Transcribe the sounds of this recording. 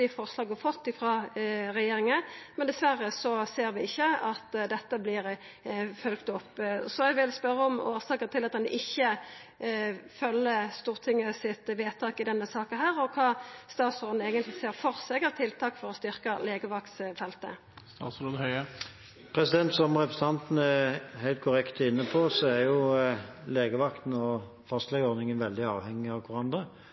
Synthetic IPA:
ɪfɔʁʂlɑːɡəfɔt̪ːɪfɾɑːʁɛjeːʁɪŋənmɛnd̪ɛsʋæʁːəsɔseːɾʋɪɪçːəɑt̪d̪ɛt̪ːəblɪʁ | fœlkt̪ɔpːsɔɛɡʋɪlspœɾːəɔmo̰ːʁsɑːkət̪ɪlɑt̪̚d̪ɛnʔɪçːə | fœlːəst̪uːʁt̪ʰɪŋːəsɪt̪ʋeːt̪ʰɑːkɪd̪ɛnːəsɑːkənɦæːʁɔkʰɑːst̪ɑːt̪sɔːʁd̪n̩eːɡənt̪lɪseːʁfɔʁseːɡəʁt̪ʰɪlt̪ʰɑːkfɔʁɔst̪ʏʁkɑleːɡəʋɑkt̪sfɛlt̪ə̰ | t̪ɑ̰ːsɔhœʏə | pʰʁɛsɪd̪ɛnt̪sɔmʁɛpɾəsəɑnt̪n̩əæhæɪlt̪̚kʰʊʁɛkt̪əɪnːəpʰɔsɔæɾjʊ | leːɡəʋɑkt̪n̩ɔ | fɑst̪lɛɡɔnɪŋənʋɛld̪ɪɑ̰ːʋhɛŋːɪɑʋkʰʊɾɑnd̪ʁə

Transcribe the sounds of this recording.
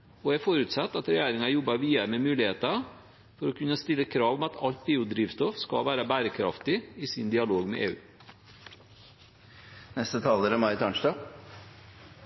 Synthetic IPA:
ɔæfɔɾʉt̪sɑt̪ːɑt̪ɾɛjæːɾɪŋɑjɔbːɑʋiːəɾmemʉːlɪheːt̪ɑ | fɔɾɔkʰʉnːəst̪ɪlːəkʰɾɑːʋmɛɑt̪ʰɑlt̪̚beːʊd̪ɾiːʋst̪ɔfskɑ̰ʋæːɾəbæːɾəkʰɾɑ̰ft̪ɪiːsɪnd̪ɪɑloːɡmḛːʔḛːʉ̰ː | nɛst̪ət̪ʰɑːləɾəmɑɾɪt̪ɑːɳʂdɑː

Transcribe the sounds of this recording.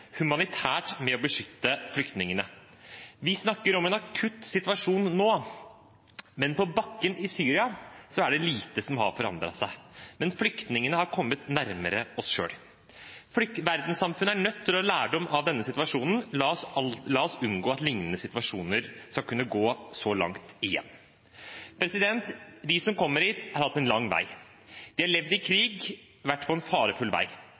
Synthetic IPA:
hʉmɑnɪt̪ʰæːʈmɛɔbəʂʏt̪ːəflʏkt̪nɪŋənə | ʋɪsnɑkːəɾɔmɛnɑkʰʉt̪ːsɪt̪ʋɑʂuːnːoː | mɛnpʰɔbɑkːənʔɪsyːɾɪɑsɔæɖɛliːt̪əsɔmhɑ̰ɾfɔɾɑ̰nd̪ɾɑ̰sæɪmɛnflʏkt̪nɪŋənəhɑɾkʰɔmːət̪næɾməɾəɔsʂø̰ːl | fʏʋæɾd̪n̩sɑmfʉnəæɳœt̪ʰːɪlɔlæːɖɔmɑʋd̪ɛnːəsɪt̪ʋɑʂuːnn̩lɑːɔslɑːɔsʉnɡoːɑt̪lɪŋnənəsɪt̪ʋɑʂuːnəɾskɑlkʰʉnːəɡoːsɔlɑ̰ŋt̪ɪjɛ̰nː | pʰɾɛsɪd̪ɛnt̪d̪isɔmkʰɔmːəɾhiːt̪hɑɾhɑt̪ːɛnlɑŋːʋæ̰ɪ | d̪̥ɪhɑɭɛʋd̪ɪkʰɾiːɡ | ʋæʈːpʰɔɛnfɑːɾəfʉlʋæ̰ɪ

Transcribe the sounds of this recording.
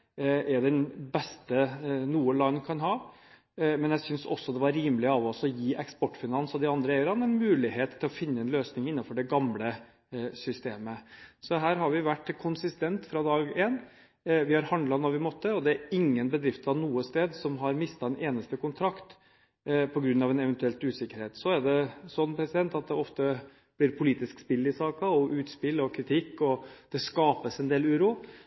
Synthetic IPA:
ʔɛɖɛnbɛst̪ənuːəlɑnːkʰɑnɦɑː | mɛnjæɪsʏnsɔ̰sːɔd̪ɛʋɑɾɾiːmlɪəɑʋɔsɔjiːʔɛkspɔʈːfɪnɑnsɔd̪ɪɑnd̪ɾəɛɪəɾɑnɛnmʉːlɪɦeːt̪ʰːɪlɔfɪnːəɛnløːsnɪŋɪnːɑfɔɖɛɡɑmlə | sʏst̪eːməsɔɦæːɾɦɑɾʋɪʋæʈːkʰʊnsɪst̪ɛnt̪fɾɑd̪ɑːɡeːn | ʋɪhɑɾhɑnd̪lɑnɔʋɪmɔt̪ːəɔd̪ɛæɾɪŋːənbəd̪ɾɪft̪ɑʋnuːəst̪eːd̪sɔmɦɑɾmɪst̪ɑd̪ɛnʔeːnəst̪əkʊnt̪ʰɾɑkt̪ | pʰɔɡɾʉnːɑʋɛnɛʋɛnt̪ʉɛlt̪ʉːsɪkːəɾheːt̪sɔæɖɛsɔnːpʰɾɛsɪd̪ɛnt̪ɑt̪̚d̪ɛɔft̪ə | b̥lɪɾpʰʊliːt̪ɪskspɪlːɪsɑːkɑɔʔʉːt̪spɪlːɔkʰɾɪt̪ʰɪkːɔd̪̥ɛskɑːpəsɛnd̪eːlʉːɾuː

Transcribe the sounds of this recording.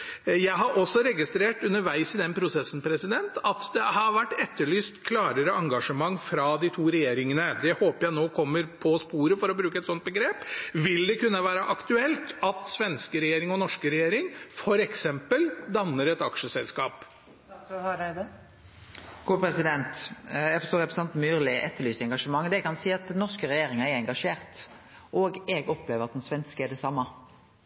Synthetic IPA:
jæɪɦɑɾʔɔsːɔɾɛɡɪst̪ɾeːʈʉnːəɾʋæɪsɪd̪ɛnpʰɾʊsɛsːn̩pʰɾɛsɪd̪ɛnt̪ɑt̪d̪ɛhɑɾʋæʈːɛt̪ʰːəɭyːst̪kʰlɑːɾəɾəʔɑŋɡɑʂəmɑŋːfɾɑd̪ɪt̪ʰuːɾɛjeːɾɪŋənəd̪ɛhoːpəjæɪnoːkʰɔmːəɾpʰɔspuːɾəfɔɾɔbɾʉːkəɛt̪sɔnt̪̚bəɡɾeːpʋɪld̪ɛkʉnːəʋæːɾəʔɑkt̪ʉɛlt̪ɑt̪sʋɛnskəɾɛjeːɾɪŋɔnɔʂkəɾɛjeːɾɪŋfɔɾɛksɛmpəld̪ɑnːəɾɛt̪ɑkʂəsɛlskɑːp | d̪ | ɡ̥uːpʰɾɛsɪd̪ɛnt̪jæɪɡfɔʁst̪oːɾɛpɾəsɑnt̪myːʁlɪʔɛt̪ːəɾɭyːsəɛŋɡɑʂəmɑŋːd̪ɛkɑnsiːɑt̪̚d̪ɛnnːɔʁskəɾɛjeːɾɪŋəɛɾɛŋɡɑʂeːɾt̪ | ʔɔɡɛɡɔpleːʋəɾɑt̪̚d̪ɛnsʋɛnskəɛɖ̪ɛsɑmːɑ

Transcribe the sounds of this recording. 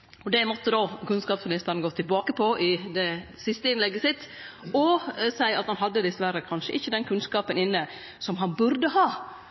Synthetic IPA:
ɔd̪ɛmɔt̪ːəd̪oːkʉnskɑːpsmɪnɪst̪əɾnəɡoːt̪ʰɪlbɑːkəpʰɔʔɪd̪ɛsɪst̪əɪnlɛɡːəsɪt̪ː | ɔsæɪɑt̪hɑnɦɑd̪ːəd̪ɪsʋæɾːəkʰɑnʂəʔɪçːəd̪ɛnkʰʉnskɑːpənɪnːə | sɔmɦɑnbʉɾd̪əhɑː

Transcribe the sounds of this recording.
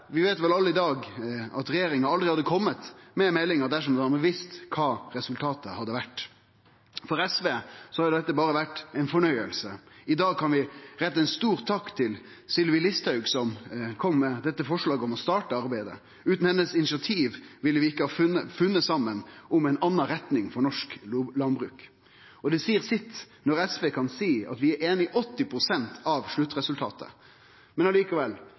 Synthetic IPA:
ʋɪʋeːt̪ʋɛlɑlːəɪd̪ɑːɡɑt̪ɾɛjeːɾɪŋɑɑld̪ʁɪhɑd̪ːəkʰɔmːət̪mɛmɛlɪŋɑd̪æʂ̬ɔmd̪əhɑɾməʋɪst̪kʰɑːɾɛsʉlt̪ʰɑːt̪əhɑd̪ːəʋæʈː | fɔɾɛsʋeːsɔhɑɾd̪ɛt̪ːəbɑːɾəʋæʈːæɪnfɔɳœʏə̰lsəɪd̪ɑːɡ̚kʰɑnʋɪɾɛt̪ːɛɪnst̪uːʁt̪ʰːɑkt̪ʰɪl | sɪlʋɪlɪst̪hœʉɡsɔmkʰɔmːɛd̪ɛt̪ːəfɔʂɭɑːɡəɔmɔst̪ɑːʈəɑɾbæɪd̪ə̰ | ʉːt̪n̩hɛnːəsɪnɪsɑt̪ʰiːʋʋɪlːəʋɪɪkːəhɑːfəfʉnːəsɑmːənʔʊmɛɪnɑnːɑɾɛt̪nɪŋfɔɳɔʂklɑnbʁʉːk | ɔd̪ɛsiːəʁsɪt̪ː | nɔʁɾɛsʋeːkʰɑnsiːɑ̰t̪ʋɪæɾeːnɪʔɔt̪ːɪpʰɾʊsɛnt̪ʰɑʋʂɭʉt̪ːʁɛsʉlt̪ʰɑ̰ːt̪ə̰ | mɛnɑliːkəʋɛlː

